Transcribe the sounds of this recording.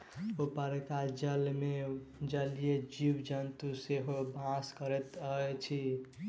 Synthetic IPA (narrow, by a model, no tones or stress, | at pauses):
opəɾekad͡ʒəlmed͡ʒəlijed͡ʒiwd͡ʒənt̪useɦobʱãskəɾɛt̪əɛt͡ʃʰi